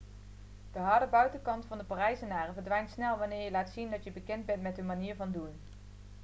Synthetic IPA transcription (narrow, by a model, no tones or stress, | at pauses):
d̥əɦɑɹdəbœɥtənkɑntfɑndəparɛjsənaːrənvəɹdʋɛjntsnɛlˠʋɑnɪːɹjəlaːtsindɑtjəbəkɛndbɛntmɛtɦɵnmaniːɹvɑndun